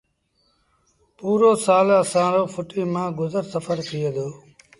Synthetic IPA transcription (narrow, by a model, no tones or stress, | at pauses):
puːɾoːsaːləsãːɾoːpʰʊʈiːmãːɡʊzəɾsəfəɾt̪ʰɪeːd̪oː